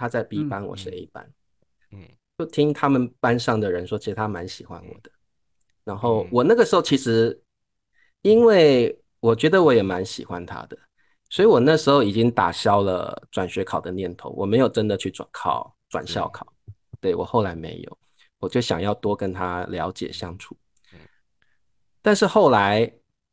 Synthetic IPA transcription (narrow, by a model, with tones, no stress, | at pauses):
t̪ʰa˥t͡sa˥˧ɪpi˥˩pa˥nwɔ̰˨˩ɕe˧ɪi˥˩pa̰˦n˩ | t͡ɕjo˥˩ʊt̪ʰi˥ŋt̪ʰa˥mə˨npa˦˥nʂɑ˥˩ŋd̪ə˩ɻə˧˦nʂwɔ˥t͡ɕʰi˧˥ʂɻ̩˧˥t̪ʰa˥˩ma˧˦nɕi˨˩xwa̰˦˥nwɔ̰˨˩d̪̥ə̥˦ | na˧˥nxo˥˩ʊwɔ˨˩na˥˩ɡə˩ʂɻ̩˧˥xo˥˩ʊt͡ɕʰi˧˥ʂɻ̩˧˥ | i˥nwe˥˩ɪ | wɔ˨˩t͡ɕɥɛ˧˥d̪ə˨wɔ˧˦jɛ˨˩ma˧˦nɕḭ˨˩xwa˦nt̪ʰa̰˥d̪ə˨ | swɔ˧˥i˨wɔ˨˩na˥˩ʂɻ̩˧˥xo˧ʊi˨˩t͡ɕi˦˥ŋt̪a̰˨˩ɕjɑ˥ʊlə̰˨ʈ͡ʂwa˨˩nɕɥɛ˧˥kʰɑ˨˩ʊd̪ə˦njɛ˥˩nt̪ʰo̰˧˦ʊwʔɔ˨˩me˧˥ɪjo˨˩ʊʈ͡ʂə˦˥nd̪ə˨t͡ɕʰy˥˩ʈ͡ʂwa̰˨˩nkʰɑ̰˥˩ʊʈ͡ʂwa̰˨˩nɕjɑ˥˧ʊkʰɑ˨˩˦ʊ | t̪we˥˩ɪwɔ̰˨˩xo˥˩ʊla˧˥ɪmḛ˧˥ɪjo̰˨˩ʊ | wɔ˨˩t͡ɕjo˥˩ʊɕjɑ˨ŋjɑ˥˩ʊt̪wɔ˥kə˥nt̪ʰa˦ljɑ˧˥ʊt͡ɕjɛ̰˨˩ɕjɑ˥ŋʈ͡ʂʰu˨˩˦ | t̪a˥˧nʂɻ̩˥˧xo˥˩ʊla˧˥ɪ